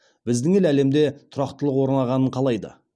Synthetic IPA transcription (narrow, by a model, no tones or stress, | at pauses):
bɪzd̪ɪŋe̞læle̞md̪e̞t̪ʰʊɾɑqt̪əlˠəqwo̞ɾənɑʁɑnəɴqʰɑlˠɑjd̪ə̰